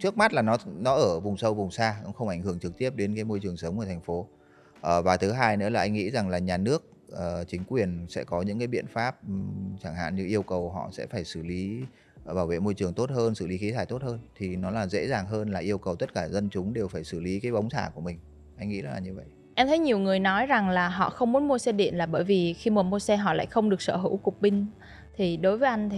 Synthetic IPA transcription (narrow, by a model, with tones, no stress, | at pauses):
t͡ɕɨ˦˥ək̚ma˦˥t̚laː˨˩nɔ˨˦nɔ˨˦ʔəː˧˩vʊ˨˩ŋ͡msə˧wvʊ˨˩ŋ͡msaː˧kʊ̰˧˥ŋ͡mxə˧wŋ͡mʔa˧˩jŋ̟hɨ˧˩əŋt͡ɕɨ˨˩k̚t̪i˦˥əp̚ɗe˨˦nkaː˨˦jmo˧jt͡ɕɨ˨˩əŋsə˨˦wŋ͡mʔəː˧˩t̪ʰŋ̟fo˨˦ | ʔəː˨˩vaː˨˩t̪ʰɨ˨˦ɦaː˧jnɨ̰˧˥laː˨˩ʔa˧jŋ̟ŋḭ˧˥za˨˩ŋlaː˨˩ɲaː˨˩nɨ˦˥ək̚ʔəː˨˩t͡ɕï˨˦ŋ̟kwi˨˩ənsɛ̰˧˥kɔ˨˦ɲɨ̰˧˥ŋkaː˨˦ɓḭ˧˨ənfaː˦˥p̚t͡ɕaː˧˩ŋha̰ː˧˨nɲɨ̰˧ʔi˧əwkə˨˩wɦɔ̰˧˨sɛ̰˧˥faː˧˩jsɨ˧˩li˨˦ | ɓaː˧˩wvḛ˧˨mo˧jt͡ɕɨ˨˩əŋt̪o˦˥t̚həː˧nsɨ˧˩li˨˦xi˨˦t̪ʰaː˧˩jt̪o˦˥t̚həː˧nt̪ʰi˨˩nɔ˨˦laː˨˩zḛ˧˥zaː˨˩ŋɦəː˧nlaː˨˩ʔi˧əwkə˨˩wt̪ə˦˥t̚kaː˧˩zə˧nt͡ɕʊ˨˦ŋ͡mɗe˨˩wfaː˧˩jsɨ˧˩li˨˦kaː˨˦jɓə˨˦wŋ͡msʰaː˧˩ku˧˩mï˨˩ŋ̟ | ʔa˧jŋḭ˧˥zə˦˥laː˨˩ɲɨ˧və̰˧˨jʔ | ʔɛ˧mt̪ʰə˨˦jɲi˨˩əwŋɨ˨˩əjnɔ˨˦jza˨˩ŋlaː˨˩ɦɔ̰˧˨xə˧wŋ͡mmu˨˦nmu˧əse˧ɗḭ˧˨ənlaː˨˩ɓəː˧˩jvi˨˩xi˧mə˨˩mo˧sɛ˧ɦɔ̰˧˨la̰ː˧˨jxə˧wŋ͡mɗɨ˨˩ək̚səː˧˩ɦɨ̰˧˥wkʊ˨˩k͡p̚ɓï˧ŋ̟ | t̪ʰi˨˩ɗo˨˦jvəː˨˦ʔa˧jŋ̟t̪ʰi˨